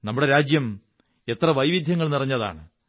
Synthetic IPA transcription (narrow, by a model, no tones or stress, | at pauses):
nɐmːuɽe̞ɾaːd͡ʑjɐm | e̞t̪rɐʋɐjʋid̪ʱjɐŋːɐɭnirɐɲːɐða̰ːɳɨ